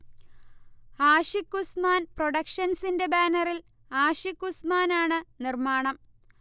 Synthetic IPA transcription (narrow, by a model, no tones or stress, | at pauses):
aːʂikːusmaːnproɽɐkʂɐnsinde̞baːnɐril | aːʂikːusmaːnaːɳɨnirmaːɳɐm